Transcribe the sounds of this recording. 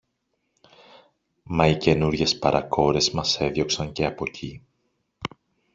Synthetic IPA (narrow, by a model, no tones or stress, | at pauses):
mɐice̞nuɾʝe̞spɐɾʔɐko̞ɾe̞zmɐse̞ðʝo̞ksɐɲce̞ɐpo̞cʰi